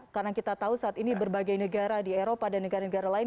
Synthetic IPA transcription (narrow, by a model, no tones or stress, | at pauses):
karnaŋkit̪at̪ausaat̪inibərbaɡajnəɡaɾadieɾopadanːəɡaɾanəɡaɾalaɪn